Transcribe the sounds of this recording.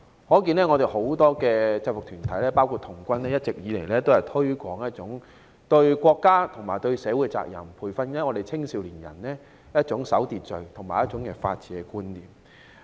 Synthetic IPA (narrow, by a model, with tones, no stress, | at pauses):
hɔː˨˥k̬iː˧nlɛː˥ŋɔ˨˧ɾe˨˩ho˨˥wt̪ɔː˥kɛː˧t͡sɐ˧wʊ˨k̚t̪ʰyː˨˩nt̪ʰɐ˨˥jlɛː˥paː˥wkʰuː˧t̚t̪ʰʊ˨˩ŋkʷɐ˥nlɛː˥jɐ˥t̚t͡sɪ˨k̚jiː˨le˨˩jlɛː˥t̪o˥whɐ˨˩jt̪ʰɵ˥ɥkʷɔː˨˥ŋjɐ˥t̚t͡sʊ˨˥ŋ | t̪ɵ˧ɥkʷɔː˧kːaː˥t̪ʰʊ˨˩ŋmaː˨˩jt̪ɵ˧ɥsɛː˨˧˥wu˨˥kɛ˧t͡sa̰ː˧˨k̚jɐ̰˨˩mpʰuː˨˩jfɐ˧nː˨˥ŋɔː˨˧d̪e˨jt͡sʰɪ˥ŋsiː˨˥wliː˨˩njɐ̰˨˩nlɛː˥ | jɐ˥t̚t͡sʊ˨˥ŋsɐ˨˥wt̪iː˨t̚t͡sɵ˨ɥt̪ʰʊ˨˩ŋmaː˨˩jɐ˥t̚t͡ʃʊ˨˥ŋkɛː˧fa̰ː˧t̚t͡siː˨˥kɛ˧kuː˥nliː˨˩m